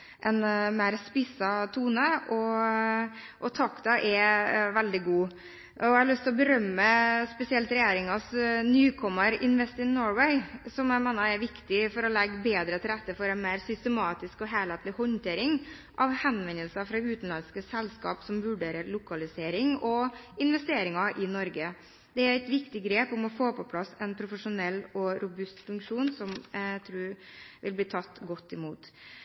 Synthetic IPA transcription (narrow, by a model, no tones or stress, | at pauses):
ʔɛnmæɪɾspɪsɑt̪ʰuːnəʔɔ | ʔɔt̪ʰɑkt̪ɑʔɛʋɛld̪ɪɡuː | ʔɔɑlʏst̪ɪlɔbəɾœmːəspɛsɪɛlt̪ɾɛjeːɾɪŋɑsnyːkʰɔməɾɪnʋɛst̪ɪnːɔɹʋɛɪsɔmæɪmæːnɑɛɾʋɪkt̪ɪfɔɾɔlɛɡːbeːd̪ɾət̪ʰɪlɾɛt̪ːəfɔɾɛɪnmæɪɾsʏst̪əmɑːt̪ɪskɔɦeːlɛt̪lɪhɔnt̪ʰeːɾɪŋʔɑʋhɛnʋɛnːəlsɑfɾɑʉːt̪n̩lɑnskəsɛlːskɑ̰ːpsɔmʋʉɖeːɾəɾlʊkɑlɪseːɾɪŋɔɪnʋɛst̪eːɾɪŋɑʔɪnɔɾɡə | d̪̥ɛæɾæɪt̪ʋɪkt̪ɪɡɾeːpɔmɔfoːpʰɔpʰlɑsːɛnpʰɾʊfəʂʊnɛlːɔɾʊbʉst̪fʉŋkʂuːnsɔmt̪ʰɾuːɾʋɪlbliːt̪ʰɑt̪ːɡɔt̪ːɪmuːt̪